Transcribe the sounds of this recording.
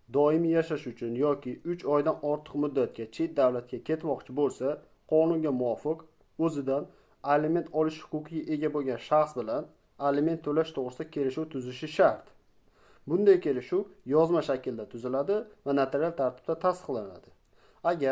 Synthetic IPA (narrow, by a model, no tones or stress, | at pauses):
d̪ɒɪmijaʃaʃʊt͡ʃʰʊnjɒkʲɪʊt͡ʃʰɒjd̪anɒɾt̪ʰɨ̥qmʊd̪ːat̪̚kʲat͡ʃʰe̞t̪̚d̪awlat̪̚kʲakʲʰe̞t̪mɒqt͡ʃʰɪbolˠsa | qʰɒnʊŋɡʲamʊwɒfɨq | ɵzɪd̪an | aleme̞nt̪ʰɒlɪʃhʊ̥kʊqʰɪɡʲaʔe̞ɡʲabolˠɡʲanʃaχsbɪlan | alɪme̞nt̪ʰːolaʃt̪ʰoʁɾɪsɪd̪akʲʰe̞lɪʃuwt̪ʰʊzɪʃɪʃaɾt̪ | bʊnd̪ajkʲe̞lɪʃʊwjɒzmaʃakʲʰɪld̪at̪ʰʊzɪlad̪ɪvanat̪ʰeɾialˠt̪ʰaɾt̪ʰɪ̥b̥̚t̪at̪ʰast̪ɨ̥qlˠana̰d̪ɪ | aɡʲa